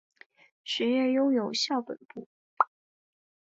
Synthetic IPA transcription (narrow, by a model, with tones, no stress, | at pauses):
ʂɻ̩˧˥jɛ˥˩jo˥ʊjo˨˩ʊɕjɑ˥˩ʊpə̰˨˩npu˥˩